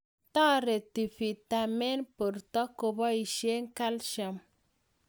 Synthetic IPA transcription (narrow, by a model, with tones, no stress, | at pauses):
ta˦ɾe˨ti˨fi˨ta˨mɛ˦npu˨ɾtɔ˦ko˨bɔ˦i˨ʃe˦ŋ˦ka˦lʃa˨m